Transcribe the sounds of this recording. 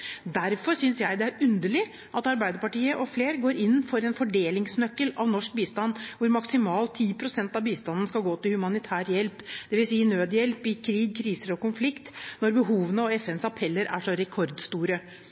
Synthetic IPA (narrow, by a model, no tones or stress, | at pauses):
d̪æɾfɔɾsʏnsjæɪd̪ɛæɾʉnd̪əɭɪ | ʔɑt̪ɑɾbæɪd̪əɾpɑʈiːəʔɔfleːɾɡoːɾɪnːfɔɾɛnfɔɖeːlɪŋsnœkːəlɑʋnɔʂk̚biːst̪ɑnːʋʊɾmɑksɪmɑːlt̪ʰːiːpʰɾʊsɛnt̪ɑʋbiːst̪ɑnn̩skɑlɡoːt̪ɪlhʉmɑnɪt̪ʰæːɾjɛlpd̪̥ɛʋɪlsiːnøːd̪jɛlpɪkʰɾiːɡ̚kʰɾiːsəɾɔkʊnflɪkt̪nɔɾbəɦuːʋənəɔɛfɛnsɑpʰɛlːəɾæ̰ʂɔɾɛkʰɔɾd̪st̪uːɾə